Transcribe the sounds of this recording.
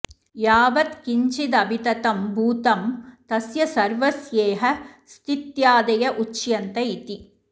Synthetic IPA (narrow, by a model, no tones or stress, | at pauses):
jaːʋɐt̪kiɲt͡ʃid̪ɐbit̪ɐt̪ɐmbʱuːt̪ɐmt̪ɐsjɐsɐɾʋɐsjeːɦɐ̆st̪it̪jaːd̪ɐjɐʔut͡ʃjɐnt̪ɐit̪i